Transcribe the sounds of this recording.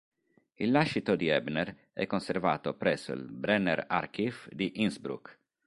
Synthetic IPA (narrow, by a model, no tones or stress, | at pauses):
ilːaʃːit̪od̪iɛbnɛɾ | ɛ̰kːonsɛɾva̰ːt̪opɾɛsːo̰ḭlbɾɛnɛɾa̰ɾkifd̪iʔinsbɾṵk